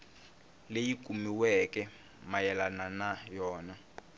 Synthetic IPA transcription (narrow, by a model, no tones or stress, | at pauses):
lejik̬ʼumiwɛkɛ | majɛlananajɔːna